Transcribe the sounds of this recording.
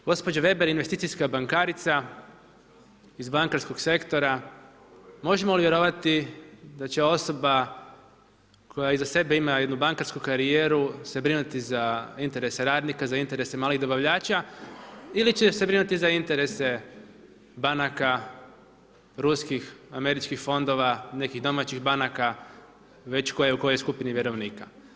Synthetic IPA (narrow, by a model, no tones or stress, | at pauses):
ɡo̞spo̞d͡ʑoʋe̞be̞ɾinʋe̞st̪iːt̪ijskabaŋkaɾit̪sa | izbaŋkaɾsko̞ɡse̞kt̪o̞ɾa | mo̞ʒe̞mouliʋje̞ɾo̞ʋat̪id̪at͡ɕe̞o̞so̞ba | kʰo̞jaizase̞be̞imaje̞d̪nubaŋkaɾskukaɾijeːɾuse̞bɾinut̪izaint̪e̞ɾe̞se̞ɾaːd̪nikazaint̪e̞ɾe̞semaːliɣd̪o̞baʋʎaːt͡ɕa | ilit͡ɕesebɾinut̪izaint̪e̞ɾe̞se̞ | banaka | ɾuskixame̞ɾit͡ʃkixfo̞nd̪o̞ʋane̞kiɣd̪o̞mat͡ɕixbanaka | ʋe̞t͡ɕko̞jeuko̞jojskupiniʋʲjeɾo̞ʋniːka